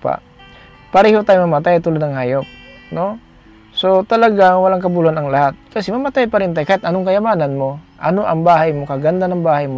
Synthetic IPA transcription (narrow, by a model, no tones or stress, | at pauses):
pa̰ | pɐɾɛːhot̪aːjʊmɐmɐt̪ajt̪ʊlod̪nɐŋhaːjop̚no̞ | sot̪ɐlɐɡaŋwɐlaŋkɐbʊlhanɐŋlɐhat̪̚kɐsɛmɐmɐt̪ajpaɾɛnt̪ajkɐʔɛt̪ʔɐnoŋkɐjɐmaːnɐnmo̞ʔɐnoʔɐŋbaːhɐjmokɐɡɐnd̪anɐŋbaːhɐjmo